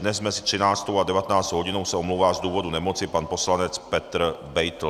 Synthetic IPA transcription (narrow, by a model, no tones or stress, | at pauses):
dnɛzːmɛsɪ̥t̪r̥ɪnaːt͡st̪owadɛvat̪ɛnaːt͡st̪owɦoɟinowsɛomluːvaːzd̪uːvodunɛmot͡sɪpanposlanɛt͡spɛt̪ɾbɛjt̪l̩